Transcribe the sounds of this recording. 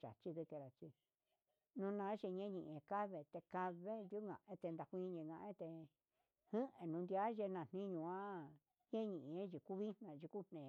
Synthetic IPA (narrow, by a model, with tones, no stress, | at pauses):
t͡ʃa̰˨t͡ʃi˧ðɨ˧ke˧ɾa˨t͡ʃi˧ | nũ˧nã˧˦ʒe˧ɲẽ˦ɲĩ˧ʔẽ˧ka˦βe˧t̪e˧ka˧βe˦nd̪u˦ŋɡã̰˨ʔẽ˦t̪e˧nd̪a˧kʷĩ˧˦˧ɲẽ˧ŋɡã˧ʔẽ˦t̪e˧ | hɨ̃˦ʔẽ˧nũ˧nd̪ja˦ʒe˧nã˨n̥nĩ˦ɲũ˧ã˦ | ɲẽ˦ɲĩ˧ʔe˦ʒi˧˨ku˦βi˦n̥nã˧ʒi˧ku˦n̥nẽ˨˧